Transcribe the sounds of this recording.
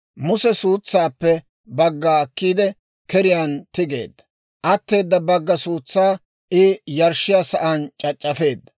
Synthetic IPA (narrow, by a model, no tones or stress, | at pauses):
mʊsɛsuːt͡sːaːpːɛ | bɐɡːaːkːiːd̪ɛ | kɛɾɪjant̪ɪɡe̞̰ːd̪ːɐ̥ | ʔɐt̪ːe̞ːd̪ːɐbɐɡːɐsuːt͡sːaː | ʔɪjɐɾʃɪjaːsɐʔɐnt͡ʃʼɐt͡ʃʼːɐfe̞ːd̪ːɐ̥